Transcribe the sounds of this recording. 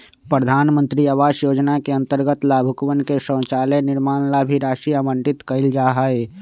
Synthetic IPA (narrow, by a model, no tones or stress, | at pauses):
pɾəd̪ʱaːnmə̃nt̪ɾiaʋaːʃjoːd͡ʒnakeə̃nt̪əɾɡət̪laːbʱʊkʋənkesə̃ːt͡ʃaːlenɪɾmaːnlabʱiɾaːʃiamə̃ɳʈɪt̪kəɪld͡ʒaːɦae